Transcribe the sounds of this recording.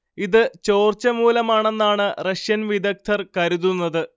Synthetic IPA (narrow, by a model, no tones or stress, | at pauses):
iðɨt͡ɕo̞ːrt͡ɕɐmuːlɐmaːɳe̞nːaːɳɨrɐʂjɐnʋid̪ɐk̚t̪ʰɐrkɐɾuðunːɐðɨ